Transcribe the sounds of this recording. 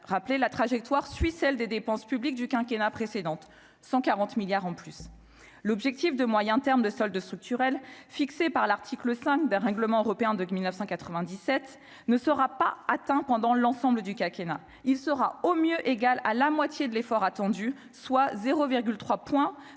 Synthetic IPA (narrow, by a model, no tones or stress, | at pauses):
ʁaplelat̪χaʒɛk̚t̪waʁsɥisɛld̪ed̪epɑ̃spyblik̚d̪ykɛ̃kʲenapχesed̪ɑ̃t̪ | sɑ̃kaʁɑ̃t̪miljaʁɑ̃plys | lɔbʒɛk̚t̪ifd̪əmwajɛ̃t̪ɛʁmd̪əsɔld̪st̪χyk̚t̪yʁɛlfiksepaʁlaʁt̪ʰikləsɛ̃k̚d̪ɛ̃ʁɛ̃ɡləmɑ̃øʁɔpeɛ̃d̪əmilnəfsɑ̃kat̪χəvɛ̃d̪isɛt̪ | nəsəʁapaːt̪ɛ̃pɑ̃d̪ɑ̃lɑ̃sɑ̃bləd̪ykʲɛ̃kʲena | ilsəʁaomjøʔeɡalalamwat̪jed̪əlefɔʁat̪ɑ̃d̪y | swazeʁoviʁɡʲylt̪χwapwɛ̃